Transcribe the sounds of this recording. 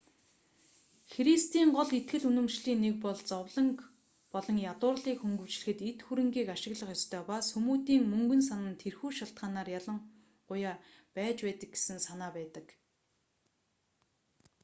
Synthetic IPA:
xɾist̪iːɴɢɔɮet̪ɡɘ̆ɮunɵ̆mʃɮiːnːek̚pɔɮt͡sɔwɮə̆ŋk | pɔɮɞ̆ŋjat̪ʊːrɮiːkxɵŋɡɵ̆wt͡ɕɮɘ̆xɘ̆t̪et̪xuɾɘ̆ŋɡiːkaʃɪ̆ɣɮə̆χjɔst̪ʰœːpasxumuːt̪iːŋmɵŋɡɵ̆nsanə̆nt̪ʰerxuːʃaɬt̪̚ɢaːnaːrjaɮə̆ŋ | ɢʊjaː | pæːt͡ɕpæːt̪ə̆k̚ɡe̥sɘ̆nsanaːpæːt̪ə̆k

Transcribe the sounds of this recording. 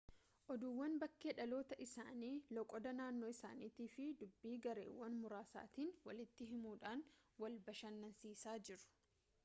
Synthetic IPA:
ʔɔd̪uːwːɐnbɐkːeːᶑɐlo̞ːt̪ɐʔɪsa̰ːniːlɔkʼɔd̪ɐnaːnːoːɪsa̰ːniːt̪iːfɪd̪ʊbːiːɡɐɾḛːwːɐnmʊɾaːsa̰ːt̪iːnwɐlɪt̪ːɪɦɪmuːᶑaːnwɐlbɐʃɐnːɐnsiːsaːd͡ʒɪɾʊ̥

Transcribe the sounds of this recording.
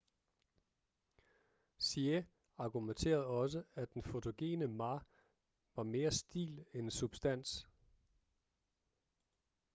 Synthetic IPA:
sie | ɑ̈ɡ̥ument͡sʰe̝̰ːɐð̩ˠɒ̽s̬əæd̥enfo̝t͡sʰo̝ɡ̥e̝̰ːnəmɑ̈ | ʋɑ̈me̝ːɐsd̥ḭːlensub̥sd̥æn̰s

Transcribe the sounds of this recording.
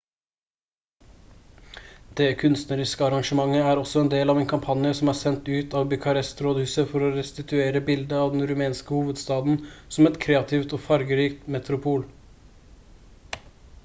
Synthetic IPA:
d̪̥ɛːkʰʉnst̪nəɾɪskəɑɾɑŋʂəmɑŋːəæːɾɔsɔɛnd̪eːlɑːʋeːnkʰɑmpʰɑnjəsɔmæːsɛnt̪ʉːt̪ɑːʋbʏkʰɑɾɛst̪ʰɾoːd̪hʉːsəfɔɾɔɾɛst̪ɪt̪ʰʉeːɾəbɪld̪əɑːʋd̪ɛnɾʉmeːnskəhuːʋəd̪st̪ɑːd̪n̩sɔmɛt̪kʰɾeːɑt̪ʰɪʋt̪oːfɑɾɡəɾiːkt̪mɛt̪ɾʊpʰuːl

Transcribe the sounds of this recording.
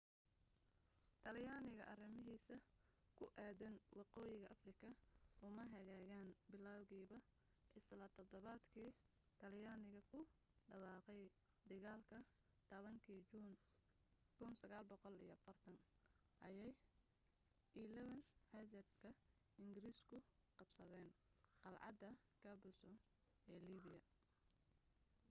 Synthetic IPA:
t̪ʰɐljaːnɪɣɐʔɐrɪmɪɦiːsɐkʰʊʔaːðɐnwɑqɔːjɪɣɐʔɐfrɪkʰɐʔʊmɐɦɐɣaːɣaːnbɪlːaːwɣiːβɐ | ʔɪslɐt̪ʰɔd̪ɔβaːd̪kʰiː | t̪ʰɐljaːnɪɣɐkʰʊ | ɖɐwɑːqɛj | d̪ɐɣaːlkʰɐ | t̪ʰɐβɐŋkʰin | kʰʊnsɐɣaːlbɔqɔlḭjɐfɐrt̪ʰɐn | ʔɐjɛj | ʔɪlɛβɐnħɛd͡ʒɐbkʰɐ | ɪŋɡɪɾiːskʰʊqɑbsɐðɛːnqɑlʕɑ̰d̪ɐkʰɐbʊsɔ | ʔɛːliːβɪjɐ

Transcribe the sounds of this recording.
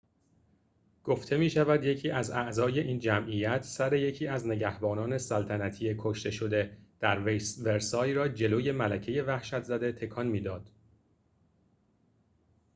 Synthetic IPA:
ɡ̥oft̪ʰe̞miːʃævæd̪je̞cʰiːʔæzæʔzɒːje̞ʔiːnd͡ʒæmʔijæt̪ʰsæɾe̞je̞cʰiːæzne̞ɟæhbɒːnɒːne̞sælt̪ʰænæt̪ʰiekʰoʃt̪e̞ʃo̞d̪e̞d̪̥æɾvesveɾsɒːjɾɒːd͡ʒe̞loːje̞mælæcʰe̞je̞væhʃæt̪zæd̪e̞t̪ʰe̞kʰɒnmiːd̪ɒːd̪̥

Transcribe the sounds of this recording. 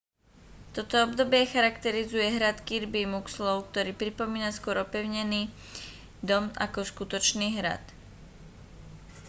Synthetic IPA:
t̪ɔt̪ɔɔbd̪ɔbɪɛxaɾakt̪ɛɾizujɛɦɾat̪kiɾbimukslɔʊk̚t̪ɔɾiːpɾipɔmiːnaskʊɔɾɔpɛʊɲɛniː | d̪ɔma̰kɔskut̪ɔt͡ʃniːɦɾa̰t̪

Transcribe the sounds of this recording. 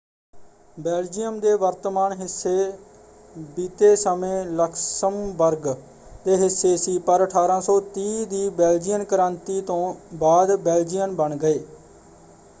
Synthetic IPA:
bɛːld͡ʒijəmd̪eːʋəɾt̪əmaːnɦɪsːeː | biːt̪eːsəmẽːləkʰsəmbəɾɡ | d̪eːɦɪsːeːsiːpəɾəʈʰaːɾãːsɔːt̪iːd̪iːbɛːld͡ʒijənkəɾãːnt̪iːt̪õːbaːd̪bɛːld͡ʒijənbəɳɡəeː

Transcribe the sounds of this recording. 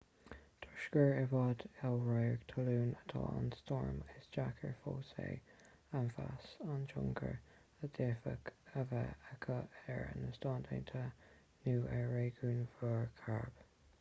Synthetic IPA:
t̪ʰʊʃkəɹɛvɑdɛlɹajəɡt̪ʰəluːnət̪ʰɑ̰anstɔɹmɪsd͡ʒakʰəɹfoːsḛː | anfasant͡ʃʊ̰ŋkʰə̰ɹ | əd̥efəkəvəəkʰəɛɹə̰nəstɑndʰent̪ʰə | nuːʔɛɹeːɡuːnvəɹkʰaɹb̥

